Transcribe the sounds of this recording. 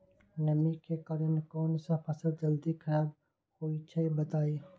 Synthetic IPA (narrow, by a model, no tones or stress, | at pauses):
nɐmikekɐɾənkɔːnsapʰɐsəld͡ʒɐld̪ikʰɐɾaːb̚ | koːit͡ʃʰaibɐt̪aːiː